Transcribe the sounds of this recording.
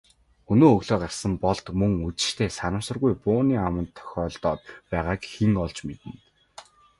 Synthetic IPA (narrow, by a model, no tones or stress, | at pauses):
ɵnoːɵɣɮoːqar̥ʲsə̆mpɔɮt̪mɵŋut͡sɘ̥̆ʃt̪ʰeːsanə̆sə̆rɣujpʊːniːamə̆nt̪ʰːœ̥xʲɔːɮt̪ɔːt̪̚pæːʁaːkxiŋɔɮt͡ɕmet̪ɘ̆n